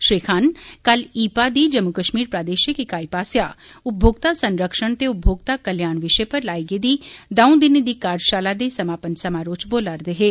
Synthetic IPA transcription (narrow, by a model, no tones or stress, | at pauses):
ʃɾiːkʰaːnkəliːpaːd̪iːd͡ʒəmʊkəʃmiːɾpɾaːd̪eːʃəkɪkaːipaːsja̰ːʊp̚bʱoːɡ̚t̪aːsənɾəkʃəɳt̪eːʊp̚bʱoːɡ̚t̪aːkəljaːnʋɪʃeːpəɾlaːiːɡed̪iːd̪ɐũd̪ɪned̪iːkaːɾd͡ʒʃaːlaːd̪eːsəmaːpənsəmaːɾoːt͡ʃboːlaɾd̪eːɦeː